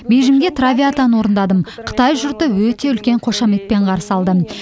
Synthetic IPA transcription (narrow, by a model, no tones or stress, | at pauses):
bejʒɪmɡʲe̞t̪ʰravʲiat̪ɑnwo̞ɾənd̪ɑd̪əmqʰə̥t̪ɑjʒʊɾt̪əwɵt̪e̞ʏlkʲe̞ɴqʰo̞ʃɑme̞k̪̚pe̞ɴqʰɑɾsɑlˠd̪ə